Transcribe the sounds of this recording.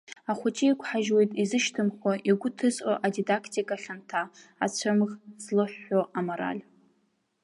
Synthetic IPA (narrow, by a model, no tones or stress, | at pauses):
aχʷʊt͡ʃʼiikʷʰħaʒwe̞jtʼizɨʃtʰɨmχʷaʔiɡʷʊtʰɨzʔoʔadidakʰtʰʼikʼaχʲantʰaa̰t͡ɕʷʰɨmʁzlɨħːoʔamoɾa̰lʲ